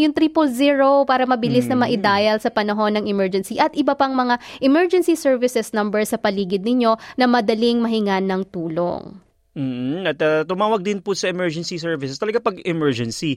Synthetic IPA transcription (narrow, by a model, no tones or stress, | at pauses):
jʊŋt̪ɾiːpolziːɹopaːɾɐmɐbɪlɪsnɐmɐʔɪd̪aːjɐlsɐpɐnɐɦo̞nːɐŋɪmɛɹd͡ʒɛnsiʔɐt̪ʔɪbɐpɐŋmɐŋaʔɪmɛɹd͡ʒɛnsisɛɹvɪsɛsnɐmbɛɹsɐpɐliːɡɪd̪̚nɪɲo̞nɐmɐd̪ɐlɪŋmɐɦɪŋanɐŋt̪uːlo̰ŋ | m̩ːɐt̪ɐt̪ʊmaːwɐɡ̚d̪ɪnpʊsɐɛmɛɹd͡ʒɛnsisɛɹvɪsɛst̪ɐlɐɡapɐɡɛmɛɹd͡ʒɛnsi